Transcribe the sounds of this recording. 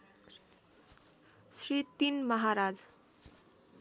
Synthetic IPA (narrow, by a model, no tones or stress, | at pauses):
srit̪inmʌɦaɾad͡z